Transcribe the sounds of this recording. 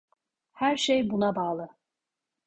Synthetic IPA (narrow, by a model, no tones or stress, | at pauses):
hæɾʃejbunabaːlˠɯ